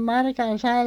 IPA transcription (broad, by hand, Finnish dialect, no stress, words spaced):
mɑrkɑn sɑi